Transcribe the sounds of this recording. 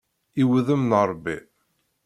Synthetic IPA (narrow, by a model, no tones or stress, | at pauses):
iwðəmnəɾˤbi